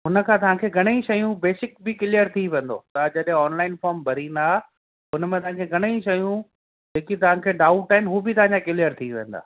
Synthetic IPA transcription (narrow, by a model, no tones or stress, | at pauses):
ɦʊnə̆kʰãːt̪ɐʋ̤ãkʰeɡʱɐɽ̃eĩʃɐjũbeːsɪkbɪkɪlijəɾt̪ʰiʋẽːnd̪o̰t̪ɐd͡ʑɐɗɦẽɔːnlaːɪnfɔːɾmbʱɐɾind̪aː | ʊnəmẽt̪ɐʋãkʰeɡʱɐɽ̃eĩʃɐjũ | d͡ʑeːkit̪ɐʋ̤ãkʰeːɖaːʊʈaɦɪnɦuːbɪt̪ɐʋ̤ãɲd͡ʑakɪlijəɾt̪ʰiʋḛ̃ːn̆d̪a̰ː